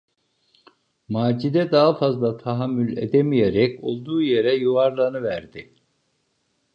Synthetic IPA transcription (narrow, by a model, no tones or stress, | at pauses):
maːd͡ʒid̪ɛd̪aːafazlˠat̪ʰaɦamːylʲḛd̪emijeɾɛco̞lˠd̪uːje̞ɾɛjuaɾlˠanɯvæɾd̪ɪ